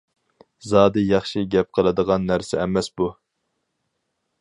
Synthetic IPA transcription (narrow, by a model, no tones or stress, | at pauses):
zɑːd̪ɨjɑχʃiɡʲɛp̚qʰəlˠɨd̪əʁɑnːæɾsɛɛmɛsbu